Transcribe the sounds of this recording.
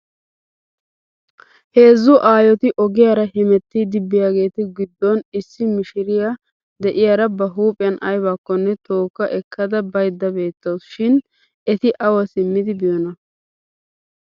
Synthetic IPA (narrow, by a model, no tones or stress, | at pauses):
he̞ːzːʊʔaːjɔt̪ɪʔɔɡɪjaːɾɐhɪmɛt̪ːɪd̪ɪbːɪjaːɡe̞ːt̪ɪɡɪd̪ːɔnɪsːɪmɪʃɪɾɪja | d̪ɛʔɪjaːɾɐbɐɦuːpʼɪjɐnʔɐjbaːkːɔnːɛt̪o̞ːkːɐʔɛkʰːɐd̪ɐbɐjd̪ːɐbe̞ːt̪ːɐwsʃɪn | ɛt̪ɪʔɐwɐsɪmːɪd̪ɪbɪjɔnɐ